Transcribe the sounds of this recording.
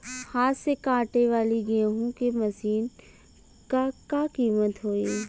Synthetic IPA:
haːɾsekãːʈeʋaːliɡẽːɦũkemɐsiːn | kakakiːmət̪ɦoːeː

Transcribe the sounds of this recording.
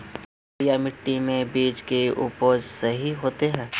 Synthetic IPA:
jamɪʈːimẽbiːd͡ʒkeupoːd͡ʒsɐɦiɦoːt̪eɦɛ̃ː

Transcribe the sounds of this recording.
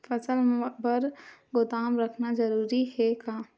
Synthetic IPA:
fɐsəlbəɾɡʊt̪aːmɾəkʰnazəɾuːɾiɦɛkaː

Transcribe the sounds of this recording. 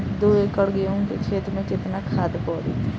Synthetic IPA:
d̪oːekəɽɡɪjaũket͡ʃʰeːt̪ɾmẽkɪt̪nakʰaːd̪pɔːɾḭː

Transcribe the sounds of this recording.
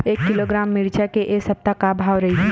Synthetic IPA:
eːkːɪloːɡɾaːmːɪɾt͡ʃakeʔeːsɐp̚t̪akabʱaːʋɾɐɦi

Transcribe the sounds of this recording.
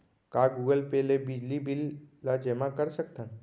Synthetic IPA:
kaɡuɡəlpelebid͡ʑlibilːad͡ʒemakəɾsək̚t̪an

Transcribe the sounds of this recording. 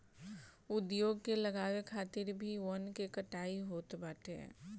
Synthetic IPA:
ʊd̪joːɡkelɐɡaːʋekʰaːt̪ɪɾbʱiʋənkekəʈaːiɦoːt̪baːʈʰḛ

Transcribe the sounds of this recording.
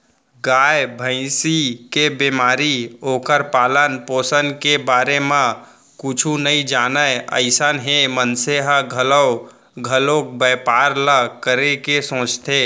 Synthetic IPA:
ɡaːjbʱə̃ɪsikebemaːɾioːkəɾpaːlənpoːsənkebaːɾemã | kʊt͡ʃʰunəid͡ʒaːnəjə̰ɪsənɦemənseɦəɡʱələw | ɡʱəlok̚bəːpaːɾləkəɾekesõːt͡ʃt̪ʰe

